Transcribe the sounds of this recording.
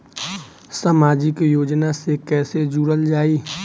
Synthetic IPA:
samaːd͡ʒɪkjoːd͡ʒnasekɛːsed͡ʒuɽəld͡ʒaːiː

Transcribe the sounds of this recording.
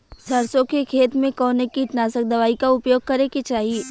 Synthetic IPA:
sɐɾsõkekʰeːt̪mẽkɔːnekit̪naːsək̚d̪ɐʋaːikaʊpjoːɡ̚kɐɾeket͡ʃaːɦieː

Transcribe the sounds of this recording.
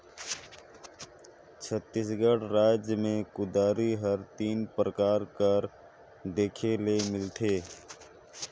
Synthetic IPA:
t͡ʃʰət̪ːisɡəɽɾaːd͡ʒjəmẽkʊd̪aːɾiɦəɾt̪iːnpɾəkaːɾkəɾ | d̪eːkʰelemɪlt̪ʰeː

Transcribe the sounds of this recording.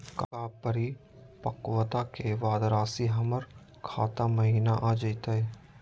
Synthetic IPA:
kəkaːpəɾi | pɐkwət̪akeʋaːd̪ɾaːsiɦɐməɾ | kʰa̰ːt̪aməɦiːnaʔaːd͡ʒəit̪aɦɛ

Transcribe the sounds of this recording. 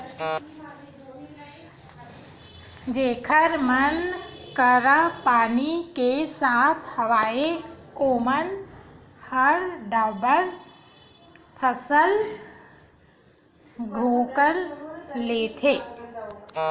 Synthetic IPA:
d͡ʒeːkʰəɾmənkəɾapaːnikesaːt̪ʰhɐʋaːekoːmən | həɾɖabəɾ | pʰəsəl | ɡʱoːkəɾleːt̪ʰeː

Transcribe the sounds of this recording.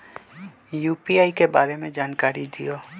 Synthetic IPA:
juːpiaːikebaːɾemẽd͡ʒaːnkaːɾid̪ijoː

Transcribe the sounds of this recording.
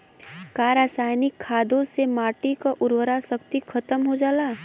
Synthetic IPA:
kaːɾaːsaːjnɪkʰːaːd̪õsemaːʈikaʔʊɾwəɾasəkt̪ikʰɐt̪əmɦod͡ʒaːlaː

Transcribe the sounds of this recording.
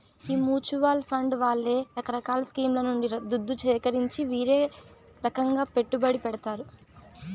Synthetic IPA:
iːmuːt͡ʃuʋaːlpʰɐɳɖʋaːɭːe̞ːɾɐkɐɾɐkaːlɐskiːmlɐnuɳɖiɐd̪ud̪ːut͡ʃɛːkɐɾiɲt͡ʃiʋiːɾeː | ɾɐkɐŋɡaːpe̞ʈːubɐɽipɛɽɐt̪aːɾu

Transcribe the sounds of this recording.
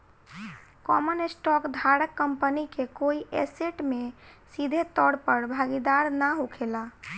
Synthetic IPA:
kɔmənesʈɔkd̪ʱaɾəkːəmpənikekoiʔɛseʈme | sid̪ʱet̪ɔɽpəɾbʱaɡid̪aɾnaɦukʰela

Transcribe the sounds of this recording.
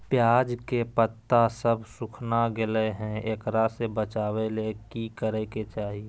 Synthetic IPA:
pjaːd͡ʒkepət̪ːasəbʱsʊkʰnaɡɪleɦɛ̃eːkɾasebət͡ʃaːwelekikəɾɛket͡ʃaːɦie

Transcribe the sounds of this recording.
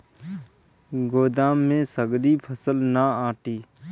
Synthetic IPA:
ɡoːd̪aːmːẽsəɡɾipʰəsəlnaaːʈiː

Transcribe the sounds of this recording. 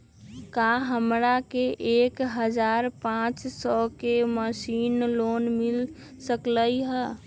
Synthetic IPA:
kaɦəmɾakeʔekɦəd͡ʒaɾpãt͡ʃsɔkeməsinlonmil | səkləjɦə

